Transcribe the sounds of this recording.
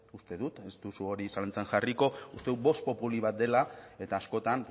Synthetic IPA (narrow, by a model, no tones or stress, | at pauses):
ust̪e̞ðut̪e̞st̪usuo̞ɾisalent͡senʝariko̞ust̪euβo̞st̪̚po̞puliβat̪̚d̪e̞lae̞t̪aːsko̞t̪an